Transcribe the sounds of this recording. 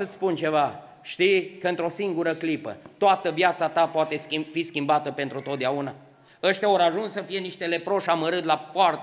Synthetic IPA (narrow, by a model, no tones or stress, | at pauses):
sət̪spunt͡ʃe̞va | ʃt̪ijkəɨnt̪ɾo̞siŋɡuɾəklipə̰t̪oat̪əvjat̪sat̪apoat̪e̞fiskʲimbat̪əpe̞nt̪ɾut̪ot̪̚d̪eauna | əʃt̪ʲaoɾaʒunssəfije̞niʃt̪ele̞pɾo̞ʃaməɾɨt̪lapoart̪